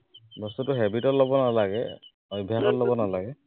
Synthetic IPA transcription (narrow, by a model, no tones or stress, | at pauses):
bɔstutʊɦɛbitɔtlobɔnalaɡɛ̰ | ɔjbʱjaxɔtlobɔnalaɡɛ